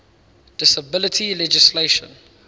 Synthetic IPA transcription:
d̥ɪsəbɪlɪtʰilɛd͡ʒɪsleʃə̰̃n

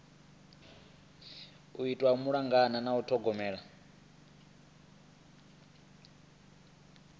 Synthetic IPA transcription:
uitʼwaumuɺaŋɡananautʰɔɡɔmɛːɺa

